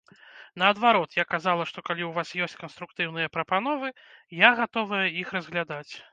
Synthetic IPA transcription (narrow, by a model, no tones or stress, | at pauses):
nɐːd̪vaɾɔt̪jakazalˠɐʂt̪ɔkalʲiwvasjɔsʲt͡sʲkɐnst̪ɾukt̪ɨwnɨjɐpɾɐpan̪ɔvɨjaɣat̪ɔvɐjɐixɾɐzɣlʲad̪at͡sʲ